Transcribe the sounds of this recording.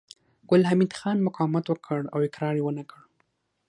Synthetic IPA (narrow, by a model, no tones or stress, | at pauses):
ɡ̥ʊlhamid̪xɑnmʊqɑmat̪wəkʰəɽawɪkɾɑɾjewənakəɽ